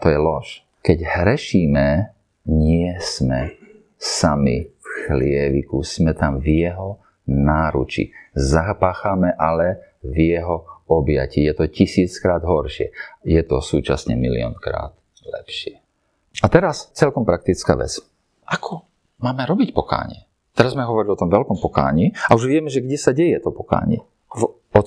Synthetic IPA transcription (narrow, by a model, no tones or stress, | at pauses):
t̪ɔjɛlɔʃ | kɛɟhɾɛʃiːmɛ | ɲɪɛsmɛ | samḭfxlɪɛʋḭkusmɛt̪amvjɛɦɔ | naːɾṵt͡ʃḭzapaːxamɛʔalɛ | vjɛɦɔɔbja̰cijɛt̪ɔcisiːt͡skɾaːd̪ɦɔɾʃɪɛ̰jɛt̪ɔsuːt͡ʃa̰sɲɛ̰milḭɔ̰nkɾa̰ːt̪ | lɛ̰pʃɪɛ | at̪ɛɾast͡sɛlkɔmpɾak̚t̪it͡ska̰ːʋɛ̰t͡s | ʔakʰɔ | maːmɛɾɔbicpɔka̰ːɲɪ̰ɛ | t̪ɛɾazzmɛɦɔʋɔɾiliɔt̪ɔ̃mʋɛlkɔmpɔka̰ːɲiauʒʋɪɛmɛʒɛɡɟɛsaɟɛjɛt̪ɔpɔka̰ːɲɪɛ | ɔ